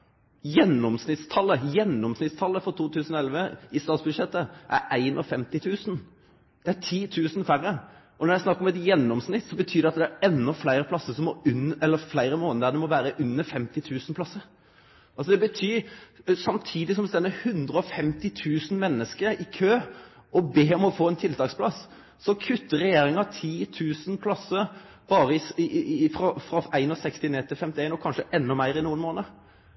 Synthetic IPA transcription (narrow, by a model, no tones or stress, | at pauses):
jɛnːɔmsnɪt̪st̪ʰɑlːəjɛnːɔmsnɪt̪st̪ʰɑlːəfɔɾt̪ʰuːt̪ʰʉːsənɔɛlʋəɪst̪ɑːt̪sbʉd̪ʂɛt̪ːəʔæ̰ɾæɪnʔɔ̰fɛmt̪ɪt̪ʰʉːsən̩ | d̪̥ɛæt̪ʰiːt̪ʰʉːsənfæɾə | ʔɔnɔɾjæɪsnɑkːɾɔmɛt̪jɛnːɔmsnɪt̪ːsɔbət̪ʰyːd̪ɛɑt̪d̪ɛæɾɛnːɔflæɪɾəpʰlɑsːəsɔmɔʉnːɛlːəflæɪɾəmoːnəd̪əd̪ɛmɔʋæːɾəʔʉnːəfɛmt̪ɪt̪ʰʉːsnpʰlɑsːəɾ | ɑlsɔd̪ɛbət̪ʰyːsɑmt̪ʰiːd̪ɪsɔmst̪ɛnːəhʉnd̪ɾəɔfɛmt̪ɪt̪ʰʉːsn̩mɛnːəskəɾɪkʰøːɔbeːɔmɔfoːɛnt̪ʰɪlt̪ʰɑːkspʰlɑsː | ɔkʰʉt̪ːəɾɛjeːɾɪŋɑt̪ʰiːt̪ʰʉːsənpʰlɑsəɾ | b̥ɑːɾəɪfɾɑfɾɑæɪnɔsɛkst̪ɪneːt̪ʰɪlfɛmt̪ɪæɪnɔkʰɑnʂəʔɛnːɔmæɪɾɪnuːənmoːnəɾ